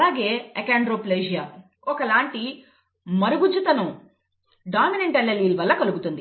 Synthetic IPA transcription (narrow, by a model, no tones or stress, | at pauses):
aːɡe̞ːekeːɳɖɾoːpleːd͡ʒijaː | ɔkɐlaːɳʈi | mɐɾuɡud͡ʒut̪ɐnu | ɖaːmineɳʈɐlːɐliːlʋɐlːɐkɐluɡut̪und̪i